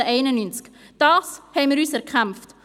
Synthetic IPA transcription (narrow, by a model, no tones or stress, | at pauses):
əʔɛɪnənynt͡sk | d̥ɑːshɛɪməɾyːsɛʁkʰχamft